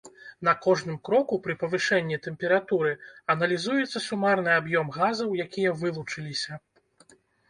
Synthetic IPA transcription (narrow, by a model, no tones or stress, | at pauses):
n̪ɐkɔʐnɨmkɾɔkupɾɨpɐvɨʂɛnʲːit̪ɛmpʲɛɾat̪uɾɨɐn̪ɐlʲizujɛt̪sːɐsumarnɨabjɔmɣazɐwjakʲijɐvɨlˠut͡ʂɨlʲisʲɐ